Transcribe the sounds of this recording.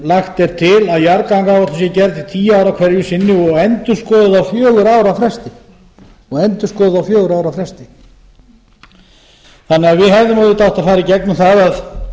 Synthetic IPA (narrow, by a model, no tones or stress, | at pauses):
laxt̪ɛɾ̥t̪ʰɪlaðjaɾkawŋkavḁt̪asjɛcɛɾðt̪ɪt̪ʰiːjaːwɾakʰvɛɾjʏsɪnːɪɔɣɛnt̪ʏ̥skɔːðʏðawfjœːɣʏɾaːwɾafɾɛst̪ɪ | ɔɣɛnt̪ʏ̥skɔːðɪðawfjœːɣʏɾaːwɾafɾɛst̪ɪ | θanːɛɣaðvɪðhɛvðʏmaðɪt̪awht̪aðfaːɾɪicɛknʏmθaðað